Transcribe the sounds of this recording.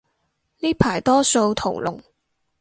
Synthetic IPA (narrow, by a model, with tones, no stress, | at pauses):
niː˥pʰaː˨˩jt̪ɔː˥so˧wt̪ʰo˨˩wlʊ̰˨˩ŋ